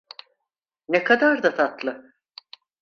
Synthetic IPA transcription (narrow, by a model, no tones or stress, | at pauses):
nekʰad̪aɾd̪at̪ʰat̪lˠɯ